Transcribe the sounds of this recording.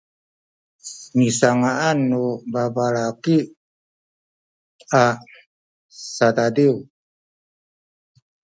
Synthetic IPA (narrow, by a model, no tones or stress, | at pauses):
misaŋaʔanːubabaɾaki | a | sadadiw